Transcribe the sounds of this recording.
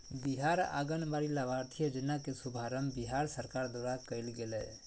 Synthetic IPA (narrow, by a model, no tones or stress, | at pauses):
biɦaːɾa̰ːɡənbaːɾilaʋaːɾt̪ʰijəd͡ʒɪnakesʊbʱaːɾəmbiɦaːɾsəɾkaːɾd̪oːɾakəɪlɡelɛ